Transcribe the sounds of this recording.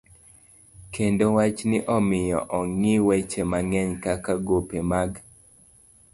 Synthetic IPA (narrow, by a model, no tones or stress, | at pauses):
kendowat͡ʃnɪʔɔmɪjɔ̰ʔɔŋɪwet͡ʃemaŋɛɲkakaɡopemaɡ